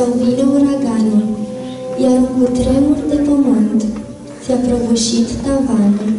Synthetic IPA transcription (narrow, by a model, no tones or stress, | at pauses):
awvineuɾaɡanə | jaɾuŋkut̪ɾemuld̪epəmɨnt̪ | sapɾovoʃit̪ːavanə